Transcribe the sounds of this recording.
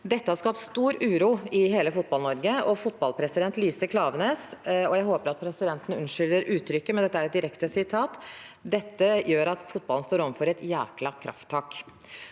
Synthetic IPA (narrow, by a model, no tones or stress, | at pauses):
d̪ɛt̪ːəhɑɾʂkɑp̚t̪st̪uːɾʉːɾuːɪɦeːləfʊt̪̚bɑlnɔɾɡəɔfʊt̪̚bɑlpʰɾɛsɪd̪ɛnt̪liːsəkʰlɑːʋneːsɔjæɪhoːpəɾɑt̪̚pʰɾɛsɪd̪ɛnt̪ənəʉnʂʏlːəɾʔʉːt̪ʰɾʏkːəmɛnd̪ɛt̪ːəæɾɛt̪̚d̪ɪɾɛkt̪əsɪt̪ʰɑːt̪d̪ɛt̪ːəjøːɾɑt̪fʊt̪̚bɑln̩st̪oːɾɔmfɔɾɛt̪jæːklɑkʰɾʔɑ̰ft̪ʰːɑːk